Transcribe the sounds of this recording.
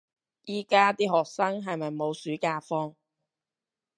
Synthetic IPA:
jiː˥kaː˥t̪iː˥ɦɔː˨k̚sɐ˥ŋɦɐ˨jmɐ˨jmo˨˧wsyː˨˥kaː˧fɔː˥ŋ

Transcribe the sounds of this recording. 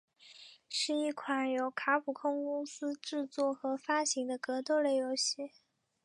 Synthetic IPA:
ʂɻ̩˥˧i˥˩kʰwa˨˩njo˨˧˩ʊkʰa˧˥pʰu˨˩kʰʊ˥ŋkʊ˥ŋsɹ̩˥ʈ͡ʂɻ̩˥˧t͡swɔ˥˩xɤ˧˥fa˥ɕi˧˥ŋd̪ə˧kɤ˧˥t̪o˥˧ʊle˥˩ɪjo˧˥ʊɕi˥˩

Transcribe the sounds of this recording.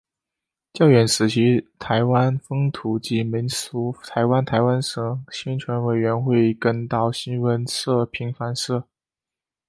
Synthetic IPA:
t͡ɕjɑ˥˩ʊɥɛ˨˩nʂɹ̩˨˩t͡ɕʰi˧˥t̪ʰa˧˥ɪwa˥nfɤ˥ŋt̪ʰu˨˩t͡ɕi˧˥mi˧˥nsu˧˥t̪ʰa˧˥ɪwa˥nt̪ʰa˧˥ɪwa˥nʂɤ˧˩ɕɛ˥nt͡ɕʰɥɛ˧˥nwe˨˩ɪɥɛ˧˥nxwe˥˩ɪkə˥nt̪ɑ˥˩ʊɕi˥nwə˧˥nʂɤ˥˩pʰi˧˥ŋfa˧˥nʂɤ˥˩

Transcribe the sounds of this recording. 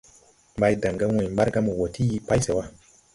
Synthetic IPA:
mba˦jda˨ŋɡa˦wo˨jmba˦ɾɡa˦mo˨wo˨ti˦ji˨pa˦jse˨wa˦

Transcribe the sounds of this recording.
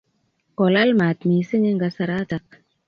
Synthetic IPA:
kɔ˨la˦lma˨tmiː˨sɪ˦ɲe˦ŋɡa˦sa˧ɾa˦ta˦k̚

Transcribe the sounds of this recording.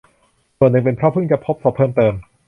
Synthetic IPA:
su˨˩nːɯ˨˩ŋpe˧npʰɾɔ˦˥pʰɯ˥˩ŋt͡ɕa˨˩pʰo˦˥p̚sʰɔː˦˩pʰːɤː˥˩mt̪ɤː˧m

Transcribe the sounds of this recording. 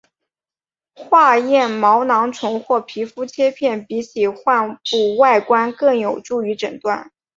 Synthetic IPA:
xwa˥˧jɛ˥˩nmɑ˧˥ʊnɑ˧˥ŋʈ͡ʂʰʊ˧˥ŋxwɔ˥˩pʰi˧˥fu˥t͡ɕʰjɛ˥pʰjɛ˥˩npi˧˥t͡ɕʰi˨˩xwa˥˧npu˥˧wa˥˩ɪkwa˥nkɤ˥˩ŋjo˨˩ʊʈ͡ʂu˥˩y˧˥ʈ͡ʂɤ̰˨˩ŋt̪wa˥˩n

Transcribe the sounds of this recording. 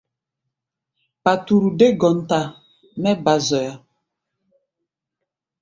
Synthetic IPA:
pa˨tu˨ɾu˨de˦ɡɔ˨n̩˨ta˨ | mɛ˦ba˨zɔ˨ja˨

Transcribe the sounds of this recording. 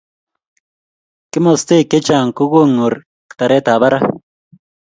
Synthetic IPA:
kɪ˦mo˨st̪e˦˨ke˦t͡ʃa˨ŋku˦ɣu˦ŋu˨ɾ | kt̪a˨ɾe˦t̪a˨βa˦ɾa˦

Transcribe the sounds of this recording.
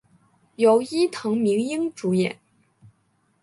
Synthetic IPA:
jo˨˩ʊi˥t̪ʰɤ˧˥ŋmi˧˥ŋi˥ŋʈ͡ʂu˧˥jɛ̰˨˩˦n

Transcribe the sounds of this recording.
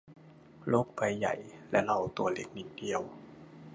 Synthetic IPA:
lo˦˥k̚pa˧jːa̰˨˩jlɛ˦˥la˧˩wt̪u˧ɐle˦˥k̚ni˨˩k̚di˨˧əw

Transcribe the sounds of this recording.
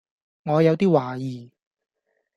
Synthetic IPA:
ŋɔː˨˧jɐ˨˧wt̪iː˥waː˨jiː˨˩

